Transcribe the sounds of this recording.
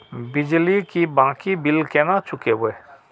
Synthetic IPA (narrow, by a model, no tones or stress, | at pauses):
bɪd͡ʒlikibãːkibilkɛnat͡ʃʰʊkeboe